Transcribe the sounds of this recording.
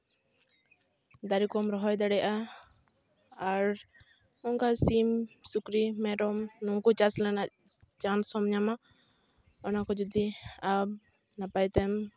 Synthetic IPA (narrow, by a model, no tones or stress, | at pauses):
d̪aɾikɔmɾɔɦɔjd̪aɽɛjaʔa | ɾ | ɔŋkasimsukɾimɛɖɔmnɔŋkɔt͡ʃaslanaʔ | t͡ʃansɔmɲama | ɔnakɔd͡ʒud̪iab̚ | napajt̪ɛm